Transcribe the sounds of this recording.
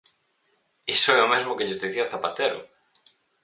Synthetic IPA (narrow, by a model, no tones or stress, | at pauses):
isoeomezmokeest̪iθiaθapat̪eɾo̰